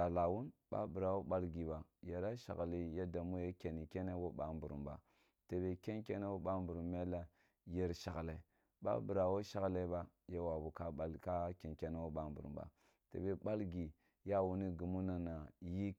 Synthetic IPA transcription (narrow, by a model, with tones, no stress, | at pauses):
a˨la˨wu˦nba̰˦bu˨ɾa˨wo˦ɓa˦lɡi˨ba˨je˨ɾa˦ʃa̰˨ɣli˨ja˦da˨mu˦je˦ke˨ni˨ke˦ne˦wo˦ɓa˨˦mbu˨ɾṵ˨mba̰˨ | te˨be˨ke˦nke˦ne˦wo˦ɓa˦mbu˨ɾu˨mːe˦la˦ | je˨ɾʃa˨ɡle˨ | ba̰˦bu˨ɾa˨wo˦ʃa˦ɣle˦ba˦ja˦wa˨bu˨ka˦a˦lka˦ke˨nke˦na˦wo˦ɓa˦mbu˨ɾṵ˨ba̰˨ | tḛ˨be˨ba˦lɡi˨ | ja˦wu˨ni˦ɡu˨mu˦na˨na˨ji˦